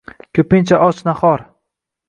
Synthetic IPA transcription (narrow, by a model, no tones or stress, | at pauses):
kʰʲɵpɪnt͡ʃʰaʔɒt͡ʃnaχɒɾ